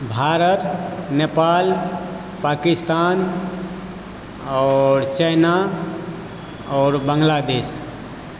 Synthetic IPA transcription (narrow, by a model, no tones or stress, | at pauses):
bʱaɾət̪nepal | pakist̪an | ɔɾt͡ʃəjna | ɔːɾbə̃ŋɡlad̪es